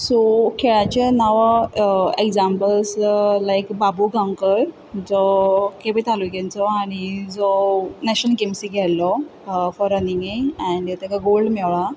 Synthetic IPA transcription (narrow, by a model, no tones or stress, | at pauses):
sɔkʰeɭat͡ɕanaʋaekd͡zampəlslajkbabuɡʱãŋkəɾ | d͡zɔkebit̪ʰaluɡẽnt͡sɔañid͡zɔnɛɕənkemsiɡʱɛllːɔfɔɾəniŋɡeɛ̃ɳɖet̪akaɡolɖmɛʋɭa